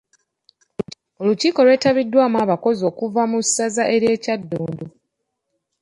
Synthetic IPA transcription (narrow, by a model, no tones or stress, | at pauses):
oluciːko̞lwe̞ːtaβidːwaːmwaːβako̞zo̞ːkuvamusazaʔe̞ɾje̞ːcadːoːndo